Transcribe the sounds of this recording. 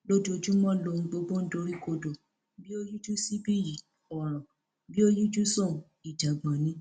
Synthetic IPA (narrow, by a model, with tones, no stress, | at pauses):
lo˦do˧˨d͡ʒu˦mɔ̃˦lo˧˨ñ̩˧ɡ͡bo˧ɡ͡bõ˦n̩˦do˧ɾi˦ko˧do˨ | bi˦o˦ju˦d͡ʒu˦si˦bi˦ji˨ | ɔ˨ɾ̃ã˨ | bi˦o˦ju˦d͡ʒu˦sɔ̃˦˨ | i˨da˨ɡ͡bã˨nĩ˨˦